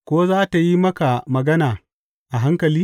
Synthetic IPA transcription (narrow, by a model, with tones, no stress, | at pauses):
kʷoː˦zaː˦ta˨ji˦mɐ˦ka˨mɐ˨ɡɐ˦naː˨ | ʔa˨ɦa˦ŋkɐ˨liː˦